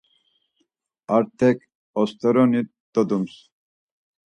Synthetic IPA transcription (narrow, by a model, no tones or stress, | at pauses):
aɾt̪ʰɛk | ɔst̪ʰɔɾɔnit̪̚d̪ɔd̪ums